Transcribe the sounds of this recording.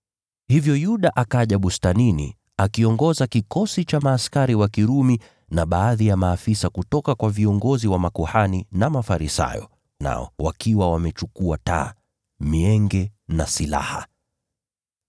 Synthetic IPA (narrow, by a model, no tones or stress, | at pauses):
hivjɔjuɗaʔakaʄaɓustaninḭ | akiɔŋɡɔzakikɔsit͡ʃamaːskaɾiwakiɾumi | naɓaːðijamaːfisakutɔkakwaviɔŋɡɔziwamakuhaninamafaɾisa̰jɔ̰ | na̰ɔ̰wa̰kiwawamɛt͡ʃukuata̰ː | miɛŋɡɛnasila̰ha